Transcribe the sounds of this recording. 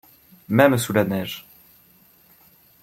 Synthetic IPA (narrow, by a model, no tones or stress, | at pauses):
mɛmsulanɛʒ